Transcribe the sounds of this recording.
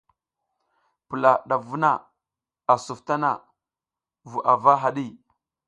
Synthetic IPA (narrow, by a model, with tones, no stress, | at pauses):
pə˨la˨ɗa˨vu˦na˦˨ | a˨su˨fta˦na̰˦˨ | vu˨ʔa˨va˦ɦa˨ɗi˦˨